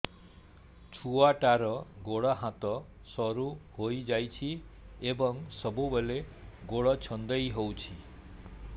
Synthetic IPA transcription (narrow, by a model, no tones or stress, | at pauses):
t͡ʃʰuwaʈaɾʌɡoɽʌɦãt̪ɔ | sʌɾuɦojd͡ʒajt͡ʃʰiebʌŋsʌbubeleɡoɽʌt͡ʃʰʌnd̪ʌjɦowt͡ʃʰi